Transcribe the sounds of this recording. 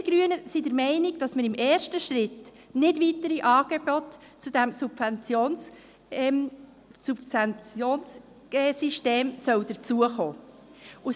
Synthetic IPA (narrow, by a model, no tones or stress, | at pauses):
ɡ̥ɾyənəsidəɾmɛɪnɪɡd̥ɑsməɾɪmʔɛːɾʃtəʃɾɪt | nɪdvitəɾiʔɑːɡ̥eb̥ɔt | t͡sud̥æmsubvɛnt͡sjoːn | sust͡sjoːns | ɡ̥ɛːsiʃteːmsœwd̥̪əɾt͡suəχoː | ʊ